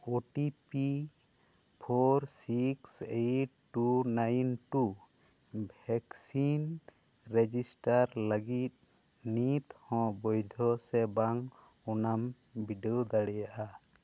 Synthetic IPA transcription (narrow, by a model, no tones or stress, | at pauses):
oʈipi | pʰɔɾsiksejʈːunajnʈu | bʱɛksin | ɾed͡ʒisʈaɾləɡit̪̚ | nit̪hɔ̃bɔjd̪ʱɔsɛbaŋ | unam | biɖeɔd̪aɽɛjaʔa